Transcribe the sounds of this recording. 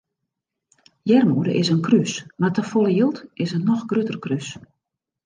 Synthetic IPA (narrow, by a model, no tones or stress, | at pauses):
jɛrmuːdə̰ʔɪsənkrysmatəfɔlˠəjilˠtɪsənɔxɡrøtərkrys